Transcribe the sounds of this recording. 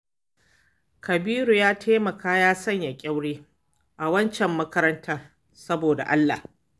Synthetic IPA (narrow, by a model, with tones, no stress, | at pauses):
kɐ˨biː˦ɾu˨jaː˦tʰeː˦mɐ˨kaː˦jaː˦sɐ˦˨ɲja˨kʲʼa˦wɽeː˦ | ʔa˨wɐ˦nt͡ʃɛ˨mːɐ˦kɐ˦ɾɐ˦ntʰaː˦r | sɐ˦boː˨da̰˨ʔa˦lːa̰˨h